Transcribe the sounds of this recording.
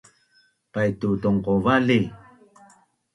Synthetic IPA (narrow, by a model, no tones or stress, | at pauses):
pajtutuŋqovali